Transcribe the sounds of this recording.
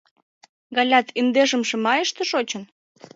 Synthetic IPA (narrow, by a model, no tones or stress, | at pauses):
ɡɑlʲɑt̪ʰind̪eʃə̆mʃĕmɑjəʃt̪ĕʃot͡ɕə̆n